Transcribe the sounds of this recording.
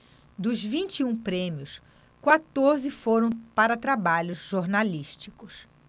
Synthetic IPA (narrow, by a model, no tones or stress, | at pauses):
d̪ʊzvĩnt͡ʃiũpɾẽmiʊs | kwat̪oɾzɪfoɾɐ̃w̃paɾɐt̪ɾabaʎʊzʒoɾnaliʃt͡ʃikʊs